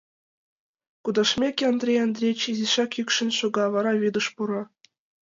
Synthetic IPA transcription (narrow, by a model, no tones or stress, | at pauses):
kud̪ɑʂmʲekʲɑnd̪rʲejɑnd̪rʲet͡ɕizʲiʂɑkykʲʂɘ̆nʲɕuɡɑʋɑɾɑʋʲid̪ɤ̆ʂpuɾɤ̆